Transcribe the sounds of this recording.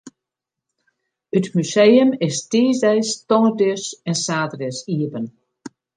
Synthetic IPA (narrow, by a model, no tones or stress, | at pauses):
ətmysejəmɪstiːzdɛjstɔŋədøsɛnsaːdrɪsiəbən